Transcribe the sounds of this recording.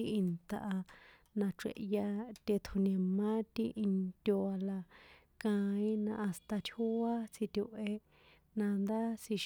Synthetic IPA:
i˦˧i˧nt̪a˧ʔa˧ | nã˧ʈ͡ʂḛ˧ʔja˧t̪ʲe˧t̪ʰu˧nẽ˨mã˦t̪i˦ʔi˧nt̪ʲo˧a˧la˧ | kã˧ĩ˦nã̰˧ʔa˧st̪a˧t̪ʲʰu˦a˦t͡si˧t̪ʲu˧ʔe˧ | nã˧nd̪a˦si˧ʃ

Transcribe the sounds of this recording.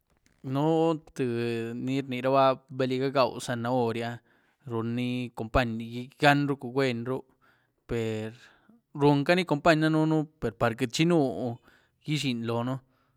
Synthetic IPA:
no˦t̪ɨ˧ni˦ɾni˨ɾa˦ba˦be˧li˧ɡa˦ɡa˨wsa˧na˧o˧ɾja˧ | ɾu˧nːi˦ko˧˨mpa˦ɲ˧ɡi˧ɡa˦nɾu˦ku˧ɡʷe˧nɾu˦ | pe˨ɾ | ɾu˧ŋka˦ni˦ko˧mpa˦ɲna˦nu˦nu˦pe˨ɾpa˨ɾkɨ˧˨t͡ʃi˦nu˦ | ji˦ʃi˧nlo˨no˦

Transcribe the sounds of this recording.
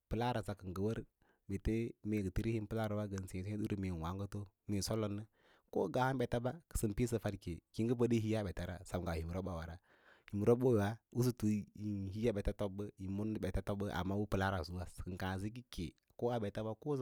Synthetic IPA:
pə˨la˦ɾa˨za˨kə˨ŋɡə˨wə˦ɾ | me˨te˦me˨ɡə˨ti˦ɾi˦hi˦n˦pə˦la˦ɾa˨wa˦ɡə˨n˨si˨e˨si˦ɗu˦ɾmi˨wa˨˦ŋɡə˦to˦me˨so˦lo˦nːə˦ | ko̰˦ɡa˨ha˦bɛ˨ta˦ba˦kə̥˨sə˨mpi˦s̬ə˨fa˦dke˨ki˦ŋɡə˦pə˦di˦ɦi˦ja˦˨ɓɛ˨ta˨ɾa̰˦˨sa˨m˨ɡa˨hi˨m˨ɾo˦ba˨wa˨ɾa˦ | hi˨m˨ɾo˦bo˦˨wa˦u˦s̬u˦tu˨˦i˨hi˦ja˦bɛ˨ta˦to˦bə˦i˨mu˦n˦ɓɛ˨ta˦to˦bə˦ʔa̰˨ma˦wu˦pə˨la˦ɾa˨zu˦wa˦skə˨kã˨zi˦ki˦kḛ˨ | ko˦a˨ɓɛ˨ta˦ba˦ko˦

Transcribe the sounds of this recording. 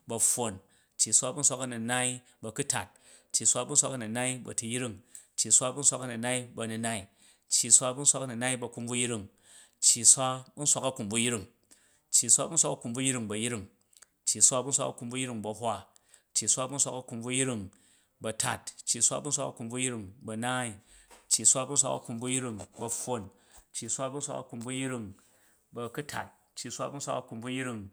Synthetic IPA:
bɐ˨˧ɸːo˨n | t͡ʃːi˨sʷa˦bu˦n̩sʷa˦kɐ˦nu˨na˦i˦ | bɐ˧ku˦ta̰˨t̚ | t͡ʃːi˨sʷa˦bu˦n̩sʷa˦kɐ˦nu˨na˦i˦bɐ̰˨tu˧ji˦ɾi˦˨ŋ | t͡ʃːi˨sʷa˦bu˦n̩˦sʷa˧kɐ˦nu˨na˦i˦bɐ˧nu˧na˦i˨ | t͡ʃːi˨sʷa˦bu˦n̩sʷa˧˦kɐ˦nu˨na˦i˦bɐ˧ku˧mb͡vu˦jɾi˦˨ŋ | t͡ʃːi˨sʷa˦bu˦n̩˦sʷa˦kɐ˦ku˨mbu˧ji˦ɾi˦˨ŋ | t͡ʃːji˨sʷa˦bu˦n̩sʷa˦kɐ˦ku˨mbu˦ji˦ɾi˦ŋbɐ˨ji˦ɾi˦˨ŋ | t͡ʃːi˨sʷa˦bu˦n̩˦sʷa̰˦kɐ̰˦ku˧mbu˦ji˦ɾi˧ŋbɐ˧hʷa˦ | t͡ʃːi˨sʷa˦bu˦n̩˦sʷa˦kɐ˦ku˧mb͡vu˧ji˦ɾi˦˨ŋ | bɐ˧tʰa̰˨tt͡ʃːi˨sʷa̰˦bu˦n̩sʷa˦kɐ̰˦ku˧˨mb͡vu˦jɾi˦˧˨ŋbɐ˧naː˦i˨t͡ʃːi˨sʷa˦bu˦n̩˦sʷa̰˦kɐ̰˦ku˧mbu˦ji˦ɾi˦ŋbɐ˧ɸo˦˨n | t͡ʃːi˨sʷa˦bu˦n̩sʷa̰˦kɐ̰˦ku˨mbu˦ji˦ɾi˦ŋ | bɐ˧ku˦tʰa̰˨t̚ | t͡ʃːi˨sʷa̰˦bu˦n̩˦sʷa˦kɐ˦ku˨mbu˦ji˦ɾi˦ŋ

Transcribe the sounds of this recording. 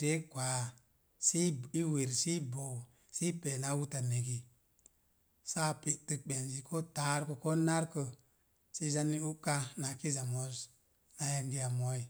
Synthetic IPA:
d̥e˦kʷa˨ | si˦i˦we˨ɾsi˦bo˨ | si˦pe˨na˦wu˦ta˨ne˨ki˨ | sa˦pi˨tɨ˦k̚ɓe˨nzi˨kʰo˦ta˦ɾkə˨ko˦na˦ɾkə˨ | si˦za˦ni˦u˦kːa˦na˨ki˦za˨mo˦z | na˨je˦ŋɡi˦ja˨mo˦i˨

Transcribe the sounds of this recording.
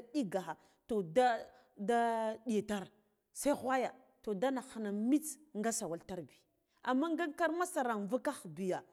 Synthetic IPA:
ɗi˦ɡa˨xa˨ | to˨da˦ | da˦ɗi˨ta˦ɾ | sa˦i˦xʷa˦ja˨ | to˨da˦na˨xa˨na˨mi˦t͡sŋɡa˦sa˨wa˨lta˦ɾbi̥˨ | a˨mːa˦ŋɡa˦ŋka˦ɾma˦sa˨ɾa˨ŋva˦ka˦xbi˨ja˨

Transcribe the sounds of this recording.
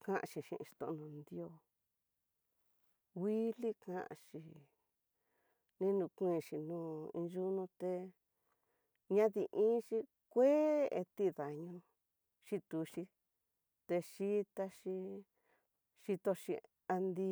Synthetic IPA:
kã˦˧ʔa̰˧ʃi˧ʃḭ̃˧ʔʃi̥˧t̪õ̰˧ʔnũ˧nd̪i˧˦o˧˦ | wi˦li˦kã̰˧ʔa̰˧ʂi˨ | nĩ˦nũ˧kʷĩ˧˨ʃi˧nũː˧˦ḭ̃˧ʒu˦nũ˧t̪e˧ | ɲã˦ði˧ʔĩː˦ʃi˧ | kʷe˦ḛ˧t̪i˦ða˨ɲũ˧ | ʃi˦t̪u˧ʃi˧ | t̪e˧ʃi˦t̪a˦ʃi˧ | ʃi˧t̪o˧ʃi˧ | a˧nd̪i˧

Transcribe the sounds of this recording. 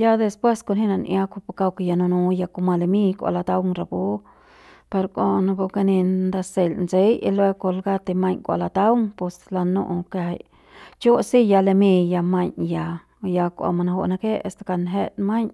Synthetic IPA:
ja˦d̪e˧spwe˦sko˧nhi˦na˧nʔja˧kʷa˧pa˧ka˧wke˧ja˧no˧nũ˧ja˧ko˧ma˧le˧mi˦kʷa̰˧˨la˧t̪a˧wŋɾa˧˨bu˦ | pe˧ɾkʷa˧na˧ko˧ka˧ni˧nd̪a˧se˨lnse˦ji˧lwe˧ko˧lɡa˦t̪e˧ma˧ɲkʷa̰˧la˧t̪a˦wŋpwe˧sla˧nṵ˧ʔkḛ˧˨j | t͡ʃo˦si˦ja˧le˧mi˧ja˧ma˧ɲja˧ | ja˧kʷa̰˧ma˧na˧ɦo̰˧ʔna˧ke˦ḛ˧st̪ḁ˧ka˧nɦe˦t̪ma˦ɲ

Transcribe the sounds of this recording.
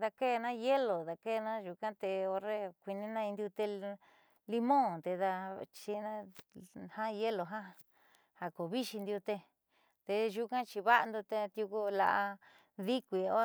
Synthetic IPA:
ða˧ke˦˨˧nã˦je˦lo˨ða˨ke˦˨˧nã˦ʒu˧kã˦t̪e˧o˧ɾe˦kʷi˧nĩ˦nã˦˧ĩ˧nd̪ju˧t̪e˧ | li˧mõ˦t̪e˧ða˧t͡ʃi˧nã˦ | hã˦˧je˦lo˨ɦa˦ | ha˨ko˨βi˦ʃi˧nd̪ju˧t̪e˧ | t̪e˧ʒu˧kã˦t͡ʃi˧βa˦ʔnd̪u˧t̪e˧t̪ju˧ku˦˧la̰˧ʔa˧ | ði˦kʷi˧o˦

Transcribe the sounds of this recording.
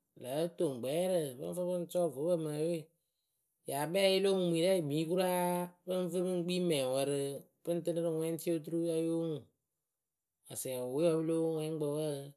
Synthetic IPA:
la˨˦to˨ŋ˨ɡ͡bɛː˨˦ɾɨ˧˨bɨ̰˦ɱ˦vɨ˦ɾbɨ˦n˦t͡ʃɔ˦˨vo˨˦bə˦˨ma˨˦we˦˨ | ja˨bɛː˦ɪ˦lo˦ŋu˨m˨i˨ɾa˦i˨mi˨˦ku˦ɾa˦pɨ˦n˦vɨ˦ɨ˦ŋ˦ɡ͡bi˦mɛ̃˨wə˧ɾɨ˧ | pɨ˦n˦tɨ˦nɨ˦ɾɨ˦˨ŋwɛ˦n˦ti˦o˦t̬u˦ɾu˦ja˦jo˦ŋu˨ | a˨sɛ˨we˦ɔ˧bɨ˦lo˦ŋɛ˦ɡ͡bə˧wə˦˧

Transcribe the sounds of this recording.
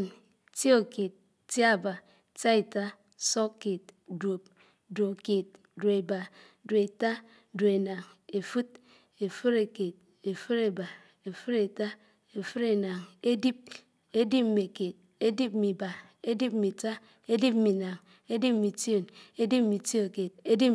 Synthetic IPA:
n | ti˦o˦˨ke˨t̚ | tja˦˨ba˨ | ta˦e˨ta˦ | so˦kːe˨t̚dwo˨p̚ | do˨ke˨t̚ | do˨e˨ba˨ | do˨e˨ta˦ | do˨e˨na˨ŋe˨fu˦t̚ | e˨fu˦ɾe˨ke˨t̚ | e˨fu˦ɾe˨ba˨ | e˨fu˦ɾe˨ta˦ | e˨fɨ˦ɾe˨na˨ŋe˦di˦p̚ | e˦di˦p̩̚˦me˨ke˨t̚ | e˦di˦p̚mi˨ba˨ | e˦di˦p̚mi˨ta˦ | e˦di˦p̚mi˨na˨ŋ | e˦di˦p̚mi˨tjo˦˨ne˦di˦p̚mi˨ti˦o˨ke˨t̚e˦di˦

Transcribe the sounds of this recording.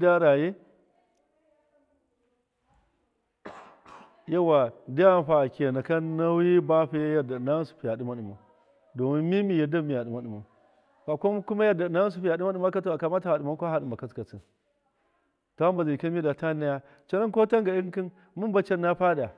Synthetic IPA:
da˦ɾa˨je˦ | ja˦wa˨da˦ja˦˨ɸa˨ke˨na˨ka˦na˦wi˦ba˦ɸi˦ja˦ja˨da˨na˦su̥˨pi˨ja˨di˦ma˦ɗu˨ma˨ | do˨mi˦nmi˦mi˨ja˨da˦mːi˨ja˨ɗi˨ma˨ɗi˨ma˨ | ɸa˨ko˦ku˦ma˦ja˦˨da˨na˦s̬u˨pi˦ja˨ɗi˦ma˦ɗu˦ma˦ka˦ta˨ka˨ma˦ta˨ha˨ɗi˨ma˦kʷo˦ɦa˨ɗu˨ma˨ka˦t͡ska˨t͡si˨n | ta˨˦a˦mba˨zi˨i˨ka˦mi˦da˨ta˦na˦ja˦ | t͡ʃa˦na˦nko˦ta˦ŋɡa˨i˦ŋ˦ki˦n | mu˦nba˦t͡ʃa˦nːa˦pa˦da˨

